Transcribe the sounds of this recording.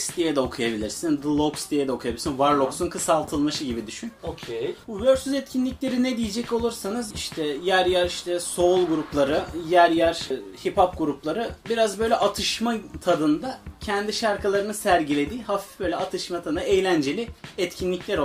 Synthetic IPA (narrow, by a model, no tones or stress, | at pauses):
st̪ʰijɛd̪ɛokʰujabilʲiɾsind̪ɯlˠokst̪ʰijɛd̪ɛokʰujabilisinvaɾlˠoksunkʰɯsalˠt̪ʰɯlˠmaʃɯɟibid̪yʃynokʲʰejbuvøɾsyzɛt̪cʰinlʲicʲlʲe̞ɾinɛd̪ijed͡ʒɛco̞lˠuɾsanɯziʃt̪ʰɛjæɾjæɾiʃt̪ʰɛso̞ulˠɡuɾuplˠaɾɯjæɾjæɾ̥hipap̚ɡuɾuplˠaɾɯbiɾazbø̞jlʲɛʔat̪ʰɯʃmat̪ʰad̪ɯnd̪acʰɛnd̪iʃaɾkʰalˠaɾɯnɯsæɾɟilʲe̞d̪iːhafi̥fbø̞jlʲɛat̪ʰɯʃmat̪ʰad̪ɯnaejlʲænd͡ʒe̞lʲiɛt̪cʰinlʲiclʲæɾ